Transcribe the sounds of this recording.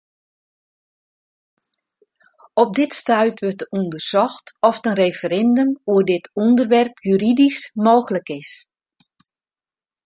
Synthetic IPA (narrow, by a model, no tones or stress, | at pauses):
ɔp̚dɪtstœɥtʋørtəundərsɔxtɔftənrejfəɾɛndəmuərdɪtundərʋɛrpʰjyɾidismoːxələkɪs